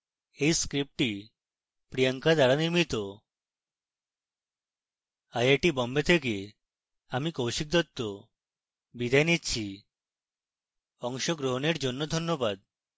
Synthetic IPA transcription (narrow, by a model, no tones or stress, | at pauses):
ejskɾip̚ʈi | pɾijaŋkad̪aɾaniɾmit̪o | ajaʈibɔmbet̪ʰeke | amikowʃik̚d̪ɔt̪ːo | bid̪ʱajnitːt͡ɕʰi | ɔŋʃoɡɾoɦoneɾd͡ʑonːod̪ʱɔnːobad̪